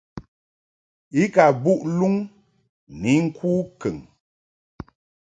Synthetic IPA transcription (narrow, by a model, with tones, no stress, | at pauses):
i˦ka˨bu˦ʔlu˦ŋ | ni˨˦ŋ̩˦kʰuː˦kə˨ŋ